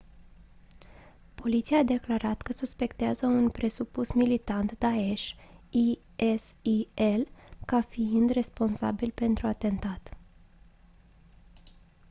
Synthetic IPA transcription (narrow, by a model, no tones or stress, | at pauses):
po̞lit̪sijaːd̪e̞klaɾat̪kəsuspe̞kt̪eazəunpɾe̞supusmilit̪ant̪d̪ae̞ʃi | esielkafiind̪re̞spo̞nsa̰bilpe̞nt̪ɾuat̪e̞nt̪at̪